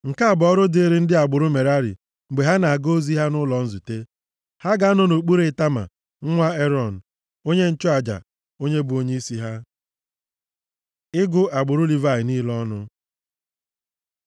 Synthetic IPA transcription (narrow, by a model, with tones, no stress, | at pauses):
ŋ̩˨ka˦a˨bɔ˦ɾʊ˦de˦ɾe˦n̩˦dɪ˦a˨ɡ͡bʊ˨ɾʊ˦me˨ɾa˦ɾɪ̰˨ | ŋ͡m̩˨ɡ͡be˨ɦa˦na˨a˨ɡo˦zi˦ɦa˦nʊ˦lɔ˨n̩˦zu˨te˦ | ha˦ɡa˨˦a˦nʊ˦no˨k͡pu˦ɾe˨ɪ˨˦ta˦ma̰˨ | ŋ̩˦ŋʷa˦e˦ɾɔ˨n̩˨ | o˦ɲe˦n̩˦t͡ʃɔ˦a˨d͡ʒa̰˨ | o˦ɲe˦bu˨o˦ɲe˦i˦si˦ɦa˦ | ɪ˦ɡʊ˦a˨ɡ͡bʊ˨ɾʊ˦li˨va˦ɪ˨ni˦lɔ˦nʊ˦